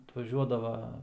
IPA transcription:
ɐtʋɐˈʒʲuɔdɐʋɐ

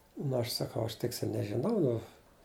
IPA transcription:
ˈnʊ ɐʃ sɐˈkɐʊ ɐʃ ˈtʲɪksʲɪ nʲɛʒʲɪˈnɐʊ ˈnʊ

